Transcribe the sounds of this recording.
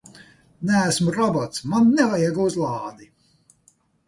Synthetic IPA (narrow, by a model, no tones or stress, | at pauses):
næːsmuɾɔbɔt̪smanːɛvajɛɡauzlˠɑːd̪i